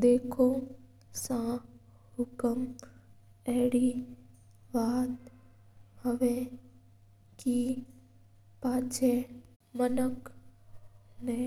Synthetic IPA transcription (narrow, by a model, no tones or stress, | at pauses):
d̪eːkʰõ | sã | hʊkəm | ɛɦɽi | baːt̪ | həʋẽ | ki | paːt͡ʃʰe | mənək | ne